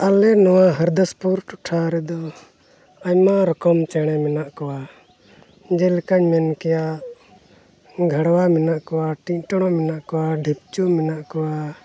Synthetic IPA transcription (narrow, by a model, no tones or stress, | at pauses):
alɛnɔwaɦəɾd̪əspuɾʈuʈʰaɾɛd̪ɔ | aɲmãɾɔkɔmt͡ʃɛɽ̃ɛmɛnaʔkɔwa | d͡ʒɛlkaɲmɛnkɛja | ɡʱəɽwamɛnaʔkɔwaʈĩɲʈɔɽ̃ɔmɛnaʔkɔwaɖʱip̚t͡ʃumɛnaʔkɔwa